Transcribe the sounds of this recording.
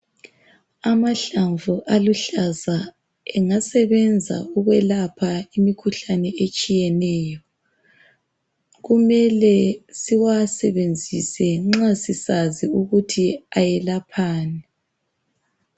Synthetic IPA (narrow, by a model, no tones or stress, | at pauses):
amaɬaɱvuʔaluɬaza | ɛŋasɛβɛnd͡zʱa̰uɣwɛlapʰaimikʰuɬanɛet͡ʃʼijɛnɛːjɔ | ɣumɛlɛsiwasɛβend͡zʱisɛŋ͡ǁasisaziuɣutʰiajɛlapʰaːnɛ